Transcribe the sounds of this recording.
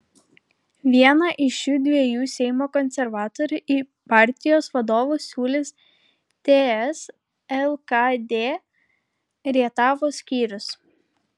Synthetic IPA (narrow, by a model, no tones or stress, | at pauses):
ʋʲiɛnɐʔɪʃjuːd̪ʲʋʲiɛjuːsʲɛɪmoːkɔnʲsʲɛɾʋɑːt̪oːɾʲʊʔiː | pɑˑɾʲt̪ʲɪjoːsʋɐd̪oːʋuːsʲuːlʲɪs | t̪ʲeːɛs | ɛlˠkɑd̪ʲeː | ɾʲiɛt̪ɑːʋoːsʲkʲiːɾʲʊs